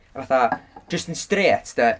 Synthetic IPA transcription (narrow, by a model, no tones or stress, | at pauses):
vaθad̥əstənstreːtʰd̥̪ə